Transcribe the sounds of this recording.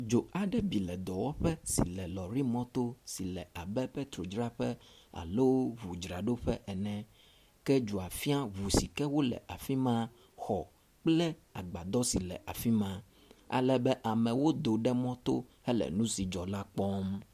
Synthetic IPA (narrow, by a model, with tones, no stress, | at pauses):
d͡ʒo˨a˨ɖɛ˦bi˨lɛ˨d̪ɔ˨wɔ˦ɸɛ˦sḭ˨lɛ˨lɔ˨ɾi˦mɔ̃˦t̪o˦si˨lɛ˨a˨bɛ˦pɛ˦t̪ɾo˨d͡ʒɾa˦ɸɛ˦ | a̰˨lo˦wo˦βu˨d͡ʒɾa˨ɖo˦ɸɛ˦ʔɛ˨nɛ̃˦ | kɛ˦d͡ʒu˨a˨fi˦a˦βu˨si˨kɛ˦wo˦lɛ̰˨ʔa˨fi˦mã˦ | xɔ˨ | k͡plɛ˦a̰˨ɡ͡ba˨d̪ɔ˦si˨lɛ̰˨ʔa˨fi˦mã˦ | a̰˨lɛ˦bɛ˦ʔa˨mɛ̃˨wo˦d̪o˨ɖɛ˦mɔ̃˦t̪o̰˦hɛ˦lɛ̰˨nũ˦si˨d͡ʒɔ˨la˦k͡pɔ˦m